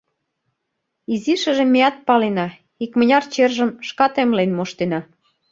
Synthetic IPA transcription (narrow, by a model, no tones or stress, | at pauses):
iziʃə̆ʒĕmʲːeɑt̪̚pɑlenɑ | ikmə̆nʲɑrt͡ɕerʒə̆mʃkɑt̪emlenmoʃt̪enɑ